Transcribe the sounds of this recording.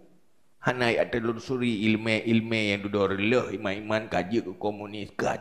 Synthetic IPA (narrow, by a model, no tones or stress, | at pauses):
hanaja̰ʔt̪əlunsuɾiːlmeʔilmejaŋdudoɾələhimanimankad͡ʒəkəkomuniska